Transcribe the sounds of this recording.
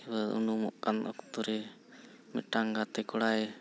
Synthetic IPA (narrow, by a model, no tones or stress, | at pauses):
iwəṵnumɔ̰ʔkanɔ̰kt̪uɾɛ | mɛʈaŋɡat̪ɛkɔɽaj